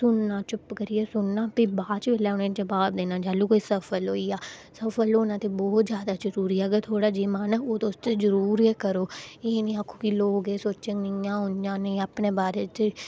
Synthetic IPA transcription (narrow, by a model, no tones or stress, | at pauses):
sʊnːãːt͡ʃʊpkəɾɪːɛːsʊnːãːpibaːt͡ʃʋeːlɛːʊnẽːd͡ʒəbaːb̚d̪eːnãːd͡ʒaːluːkoːiːsəpʰəlɦoːiːaːsəpʰəlɦoːnãːt̪eːbɔːt̪zjaːd̪aːd͡ʒəɾuːɾiːɛːɡɛːt̪ʰoːɽaːd͡ʒeːmaːnəoːt̪oʊst̪ezəɾuːɾɛːkəɾoːeːnĩːakʰːo̥ːkiloːɡeːsoːt͡ʃẽŋnɪãːɦʊnd͡ʒãːnẽːaːpɳeːbaːɾeːt͡ʃ